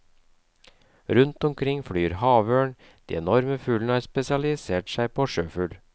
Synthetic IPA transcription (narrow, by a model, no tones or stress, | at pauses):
ɾʉnt̪ɔmkʰɾɪŋfɽyːɾhɑːʋøːɳ | d̪̥ḭːɛnɔɾməfʉːlnəhɑːɾspɛsɪɑlɪseːʈsæɪpʰoːʃøːfʉːl